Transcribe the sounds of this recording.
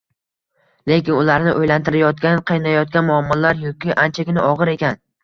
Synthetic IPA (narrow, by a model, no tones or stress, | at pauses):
le̞kʲɪnʊlaɾnɪʔojlant̪ɪɾajɒt̪̚kʲanqʰɨjnajɒt̪̚kʲanmʊamːɒlaɾjɒkʲɪʔant͡ʃʰakʲɪnɪʔɒʁɨɾe̞kʲan